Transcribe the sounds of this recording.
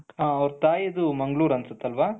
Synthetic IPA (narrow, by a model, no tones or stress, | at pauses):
ɦaːɐʋɾut̪aːjɐd̪umɐŋɡɭuːɾɐnsut̪ːɐlʋaː